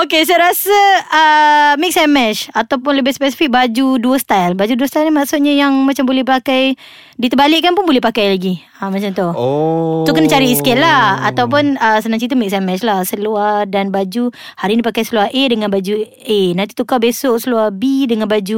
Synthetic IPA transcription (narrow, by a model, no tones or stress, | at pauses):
okes̬ajɾasəː | mɪk̚sɛmɛʃat̪awpʊnləbɪtspesi̥fik̚bad͡ʒuduəst̪ajlbad͡ʒuduəst̪ajlnimaʔsʊt̪̚ɲəjaŋmat͡ʃambolɛhpakaj | dit̪əbalɪʔkːanpʊnbolɛhpakajlaɡi | amat͡ʃant̪ʊ | t̪ukənat͡ʃaɾiːskelaat̪awp̬ʊnəsənãŋt͡ʃit̪̬əmɪk̚sɛmɛt͡ʃlahsəluadanbad͡ʒu | haɾinipakajsəluahʔedəŋanbad͡ʒu | ʔenant̪i̥t̪ukabesoʔsəluahbidəŋanbad͡ʒu